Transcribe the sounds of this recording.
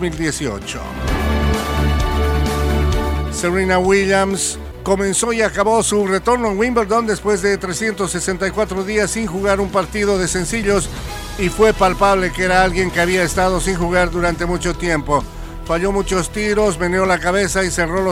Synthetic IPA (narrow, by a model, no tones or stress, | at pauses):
mild̪je̞sio̰t͡ʃo̰ | seβɾinawiljams | ko̞mẽ̞nso̞iakaβo̞sure̞t̪o̞ɾnoeŋwimbeɾd̪o̞nd̪e̞spwe̞zðe̞t̪ɾe̞sje̞nt̪osːe̞se̞nt̪ajkwat̪ɾo̞ðiasːiŋxuɣaɾumpaɾt̪iðo̞ðe̞se̞nsiʎo̞s | ifwe̞palpaβ̞le̞kee̞ɾaalɣje̞ŋke̞aβiaest̪að̞o̞siŋxuɣaɾðuɾant̪e̞mut͡ʃo̞t̪je̞mpo̞ | faʎo̞mut͡ʃo̞st̪iɾo̞s̬me̞njo̞lakaβe̞saise̞ro̞lo